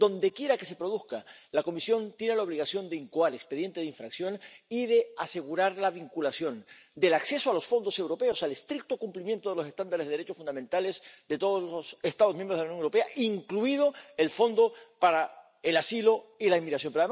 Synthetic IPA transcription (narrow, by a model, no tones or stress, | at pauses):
d̪o̞nd̪e̞kje̞ɾake̞se̞pɾo̞ðuskalako̞misjo̞nt̪je̞nelao̞β̞liɣasjo̞nd̪eiŋkoaɾe̞kspe̞ðje̞nt̪e̞ðiɱfɾaksjo̞niðe̞ase̞ɣuɾaɾlaβiŋkulasjo̞nd̪e̞lakse̞soalo̞sfo̞nd̪o̞sewɾo̞pe̞osale̞st̪ɾik̚t̪okumplimjent̪oðlo̞sest̪and̪aɾezðɾet͡ʃofund̪amẽnt̪alezd̪e̞t̪oð̞oslosest̪aðomjẽmbɾðawnjoŋewɾo̞peaʔiŋkluið̞o̞e̞lfo̞nd̪o̞paɾa | elasilo̞ilaimiɣɾasjompeoaðe